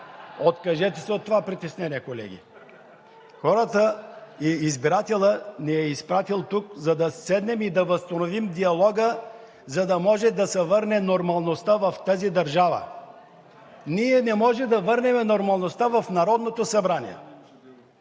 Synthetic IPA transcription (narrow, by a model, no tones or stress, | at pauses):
ot̪kɐʒɛt̪ɛsɛot̪ːovapɾit̪ɛsnɛniɛkolɛ̰ɡʲḭ | xɔɾət̪əiizbiɾat̪ɛlˠənɛɛispɾat̪ilˠt̪uk̚zɐd̪ɐsːɛd̪nɛmid̪ɐvəst̪ɐnovimd̪iɐlˠɔɡə | zɐd̪ɐmɔʒɛd̪ɐsɛvɤɾnɛnoɾmɐlˠnost̪avɐft̪azid̪ɐɾʒavə̰ | niɛnɛmɔʒɛd̪ɐvɤɾnɛmɛnoɾmɐlˠnost̪avɐfnɐɾɔd̪not̪osɐbɾanḭɛ̰